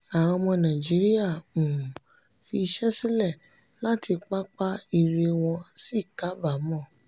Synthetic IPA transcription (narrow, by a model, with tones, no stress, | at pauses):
a˨w̃ɔ̃˧mɔ̃˧nã˨d͡ʒi˨˦ɾi˦a˦˨ũ˨ | fi˧ʃɛ˦sĩ˦lɛ˦˨ | la˦tʰi˧k͡pa˦k͡pa˦i˦˧ɾe˧w̃ɔ̃˧si˦˨ka˦ba˦˨mɔ̃˦˨